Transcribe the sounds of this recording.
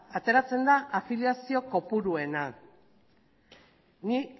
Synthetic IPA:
at̪e̞ɾat͡se̞nd̪aʔafiljasio̞ko̞puɾue̞na | ni

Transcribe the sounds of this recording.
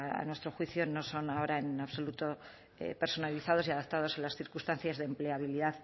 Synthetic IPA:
a̰nwe̞st̪ɾo̞xwiθjono̞so̞nao̞ɾaenaβso̞lut̪o̞ | ḛpe̞ɾso̞naliθað̞o̞siaðap̚t̪að̞o̞selasθiɾkust̪anθjazðemple̞aβiliðað

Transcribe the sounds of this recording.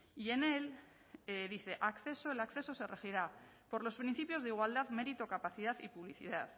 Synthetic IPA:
ie̞ne̞l | ðiθe̞ʔakθe̞so̞elakθe̞so̞se̞re̞xiɾa | po̞ɾlo̞spɾin̟θipjo̞zðiɣ̞wald̪aðme̞ɾit̪o̞kapaθið̞aðipuβ̞liθḭðaθ

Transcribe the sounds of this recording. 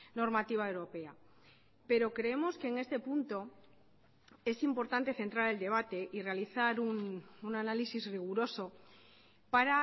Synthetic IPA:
no̞ɾmat̪iβaewɾo̞pe̞a | pe̞ɾo̞kɾe̞emo̞ske̞ːŋe̞st̪e̞punt̪o̞ | e̞simpo̞ɾt̪ant̪e̞θe̞nt̪ɾaɾe̞ld̪e̞β̞at̪e̞ʔire̞aliθaɾununanalisizriɣ̞uɾo̞so̞ | paɾa

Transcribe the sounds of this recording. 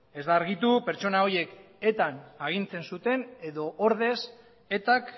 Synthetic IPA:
e̞zd̪aːɾɣit̪upe̞ɾt͡so̞nao̞je̞k | e̞t̪anaɣ̞int͡se̞nsut̪e̞ne̞ðo̞ʔoɾðe̞s | e̞t̪ak

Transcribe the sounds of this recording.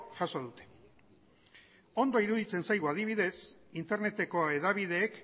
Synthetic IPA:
ʝaso̞ðut̪e̞̥ | o̞nd̪o̞iɾuðit͡se̞nsajɣuað̞iβ̞iðe̞sint̪e̞ɾne̞t̪e̞ko̞eðaβiðe̞ːk

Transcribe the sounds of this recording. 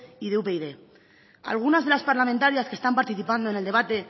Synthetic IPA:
iðeupe̞iðe̞ | a̰lɣ̞unazð̞e̞laspaɾlamẽnt̪aɾiaskest̪ampaɾt̪iθipand̪o̞ene̞ld̪e̞β̞at̪e̞

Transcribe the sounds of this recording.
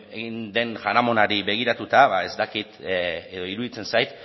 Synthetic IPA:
eɣind̪e̞nʝaɾamo̞naɾiβe̞ɣ̞iɾat̪ut̪aβae̞zt̪akit̪eðo̞iɾuðit͡se̞nsajt̪

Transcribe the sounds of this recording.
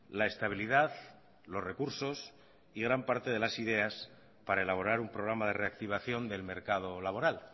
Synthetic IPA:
lae̞st̪aβ̞iliðað | lo̞sre̞kuɾso̞s | iɣ̞ɾampaɾt̪e̞ð̞e̞lasið̞e̞as | paɾae̞laβ̞o̞ɾaɾumpɾo̞ɣɾamað̞e̞re̞ak̚t̪iβ̞aθjo̞nd̪e̞lme̞ɾkað̞o̞laβo̞ɾal

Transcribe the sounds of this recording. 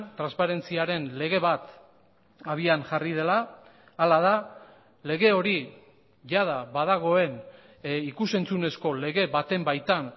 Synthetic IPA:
t̪ɾanspaɾe̞nt͡siaɾe̞nle̞ɣe̞βat̪ | aβ̞ianʝarið̞e̞laː | lað̞a | le̞ɣe̞o̞ɾi | ʝaðaβaðaɣo̞e̞n | ikuse̞nt͡sune̞sko̞le̞ɣe̞βat̪e̞mbajt̪an

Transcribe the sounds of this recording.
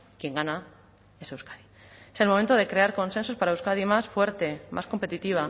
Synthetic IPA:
kje̞ŋɡana | e̞sewskḁði | e̞selmoment̪oðe̞kɾe̞aɾko̞nse̞nsospaɾaeuskaðimasfwe̞ɾt̪e̞mʔa̰sko̞mpe̞t̪it̪iβ̞a

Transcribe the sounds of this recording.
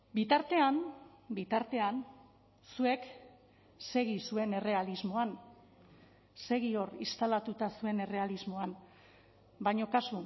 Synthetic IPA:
bit̪aɾt̪e̞anbit̪aɾt̪e̞an | sue̞k | se̞ɣisue̞ne̞re̞alizmo̞an | se̞ɣio̞rist̪alat̪ut̪asue̞ne̞re̞alizmo̞an | bajɲo̞kasu

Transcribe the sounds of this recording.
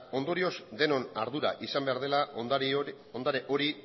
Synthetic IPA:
o̞nd̪o̞ɾio̞zd̪e̞no̞naɾðuɾa̰ʔisambe̞aɾðe̞la | o̞nd̪aɾeʔo̞ɾi

